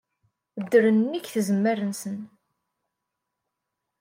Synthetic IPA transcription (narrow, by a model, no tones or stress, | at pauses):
d̪ːəɾənːiçθəzəmːəɾənsən